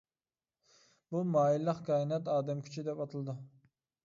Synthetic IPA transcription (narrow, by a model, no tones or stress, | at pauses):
bumɑːilˠːəqkʲʰɑːinɛt̪ɑːd̪ɛmkʲʰy̥t͡ʃʰyd̪ɛpɑt̪ʰɨlˠd̪ɨ